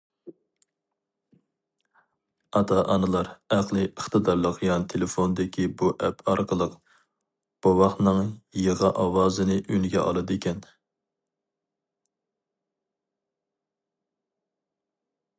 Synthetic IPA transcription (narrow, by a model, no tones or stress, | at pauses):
ɑt̪ʰɑʔɑnɨlˠɑɾæqlˠɨʔəχt̪ɨd̪ɑɾlˠəqjɑnɨt̪ʰelɪfond̪ɪkʲʰibuʔɛpʰɑɾqəlˠəq | b̥owɑχnɨŋjəʁɑʔɑwɑːzɨnɨʔynɡʲɛ̰ʔɑ̰lˠɨd̪ekʲʰɛn